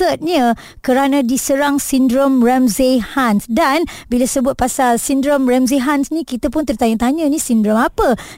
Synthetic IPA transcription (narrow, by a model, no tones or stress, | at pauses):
t̪ət̪̚ɲə̃ | kəɾanãdisəɾaŋsindɾomrɛmzehansdanbilasəbʊt̪̚pasalsindɾomrɛmzeɦansnĩkit̪apʊnt̪ərt̪aɲət̪aɲə̃nĩsindɾɔmapə